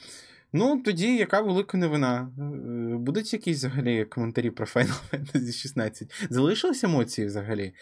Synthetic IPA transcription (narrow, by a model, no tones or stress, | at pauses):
nut̪ɔdʲijɐkɑʋelˠɪkɐneʋɪnɑ | bud̪ʊtʲjɐkʲisʲzɐɦɐlʲikɔment̪ɐɾʲipɾɔfɛjnɐlˠfɛjnɐzʲiʃisnɑt͡sʲːɐtʲzɐlˠɪʃɪlˠɐsʲemɔt͡sʲijiʋzɐɦɐlʲi